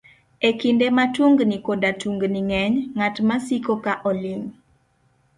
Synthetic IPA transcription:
ekindematuŋɡnikodatuŋɡniŋɛɲŋatmasikokaʔɔliŋ

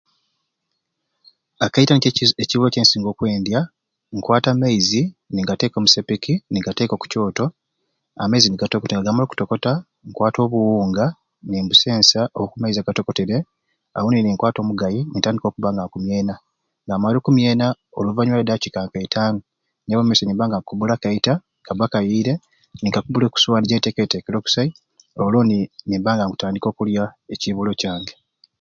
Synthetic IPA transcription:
akaitaneciβoːceːnsiːŋɡo̞ːkwe̞ːndja | ŋkwaːtamaiziniŋɡate̞ːko̞ːmusepikiniŋɡate̞ːko̞ku̥co̞ːto̞ | a̰maiziniɡatokoteŋɡaɡamaloku̥to̞ko̞ta | ŋkwaːto̞ːβuwuːŋɡa | niːmbuse̞ːnsaʔookumaiziaɡato̞ko̞te̞ɾe | a̰woniniŋkwaːto̞ːmuɡajinitaːndikokuβaːŋɡaŋkumje̞ːna | ŋɡaːmaloːkumje̞ːnaoluvaɲwaledacikaːŋkaitʰaːŋɡa | neβomeseniːmbaːŋɡakuβulakaita | kaβakajiːɾe̞ | niŋkakuβuleːku̥suwanɟetekete̞ːkeɾo̞ku̥sai | oloninimbaːŋɡaŋku̥taːndiko̞ːkuljaeciβulo̞caːŋɡe

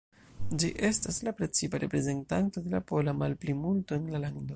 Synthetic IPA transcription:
d͡ʒiʔe̞staslapɾe̞t͡sipaɾe̞pɾe̞ze̞ntanto̞de̞lapo̞lamalplimulto̞enlalaŋdo

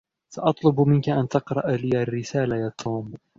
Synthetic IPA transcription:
sɑʔɑt̪ˤlʊbmɪnkaʔant̪ɑqɾˤɑʔalɪarːɪsaːlajaːt̪ʰuːm

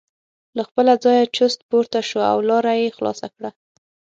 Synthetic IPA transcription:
laxpəlad͡zɑjat͡ʃʊst̪̚poɾt̪aʃoa̰wlɑɾajexlɑ̰sakɽa

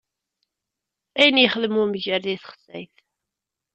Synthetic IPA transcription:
æjənjəχələmumʝəɾðiθχə̥sːæ̰jθ

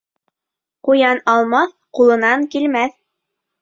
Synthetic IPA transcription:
qujɑnɑlˠmɑθ | qulˠɤ̆nɑŋkilmæθ

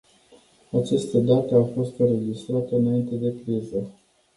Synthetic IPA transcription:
at͡ʃest̪əd̪at̪əafo̞st̪ɨɾe̞d͡ʒist̪ɾat̪əɨnaint̪e̞d̪e̞kɾizə

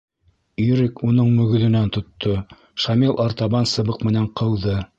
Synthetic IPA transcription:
yɾɘkunɤɴmɵ̆ɡɵ̆ðɘ̆nænt̪ŏt̪ʰːo | ʃɑmilˠɑɾt̪ɑβɑnsɤ̆βɤqmɘ̆næɴqʰɤ̆lˠðɤ

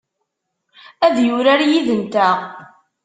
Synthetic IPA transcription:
æðjʊɾaɾjiðənt̪æ

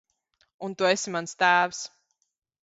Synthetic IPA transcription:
unt̪uesʲimanst̪æːvs

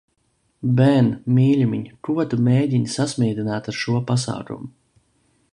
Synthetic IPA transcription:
bɛnmiːlʲumʲiɲkuɔt̪umeːɟʲiɲsasmʲiːd̪inaːt̪aɾʃuɔpasa̰ːkṵmu

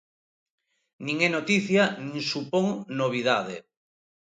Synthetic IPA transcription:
nĩŋɛnot̪iθjanĩŋsupoŋnoβ̞iðaðe

